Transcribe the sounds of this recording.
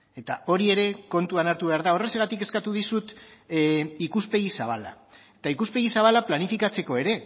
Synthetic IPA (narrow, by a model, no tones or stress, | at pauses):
e̞t̪ao̞ɾie̞ɾe̞ko̞nt̪uanaɾt̪uβe̞aɾðao̞re̞seɣat̪ike̞skat̪uðisut̪ | ikuspe̞ɣisaβ̞ala̰ | et̪aikuspe̞ɣisaβ̞alaplanifikat͡se̞ko̞e̞ɾe̞